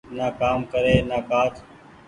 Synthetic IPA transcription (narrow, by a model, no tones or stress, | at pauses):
naːkaːmkəɾeːnaːkaːt̪ʰ